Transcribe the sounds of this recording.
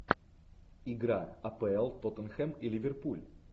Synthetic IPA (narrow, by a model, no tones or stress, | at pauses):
ɪɡɾaɐpɛɛlˠt̪ot̪ənxɛmilʲɪvʲɪrpulʲ